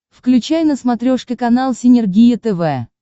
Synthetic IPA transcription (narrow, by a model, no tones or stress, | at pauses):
fklʲʉt͡ɕajnəsmɐt̪ɾʲoʂkʲɪkɐnalˠsʲɪnʲɪrɡʲijət̪ɛvɛ